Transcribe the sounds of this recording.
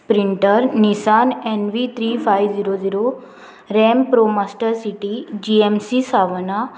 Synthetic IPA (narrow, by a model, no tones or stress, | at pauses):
pɾɪɳʈəɾnisaːnenʋit̪ʰɾiːfʰajʋziɾoziːɾo | ɾɛːmpɾoːmaːsʈəɾsiʈid͡ʒiemsisaːʋəna